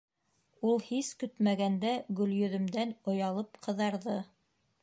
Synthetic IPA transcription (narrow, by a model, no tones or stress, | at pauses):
ulˠhiskɵt̪mæɡænd̪æɡɵ̆ljɵ̆ðɵ̆md̪ænŏjɑlˠɤpqʰɤ̆ðɑɾðɤ